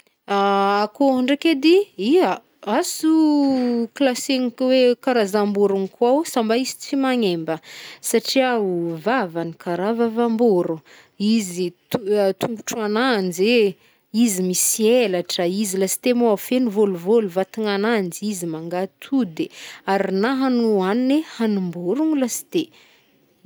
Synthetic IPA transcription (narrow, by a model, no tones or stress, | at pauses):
aakoaɳɖ͡ʐaked̪iia | asu | klasenkwekaɾazambuɾunikuawsambaizi̥t͡simaɲembəsaʈ͡ʂiauvavanikaɾavavamboɾu | izit̪ut̪uŋɡuʈ͡ʂuanand͡ʒe | izimisielaʈ͡ʂəizilasi̥t̪emoafenivoluvoluvat̪iŋanand͡zizimaŋɡat̪ʰud̪eaɾinaɦanuaninehanumboɾuŋlasi̥t̪e